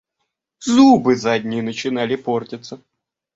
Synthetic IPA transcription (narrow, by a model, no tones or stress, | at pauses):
zubɨzadʲnʲɪjənət͡ɕɪnalʲɪpo̞rtʲɪt̪sə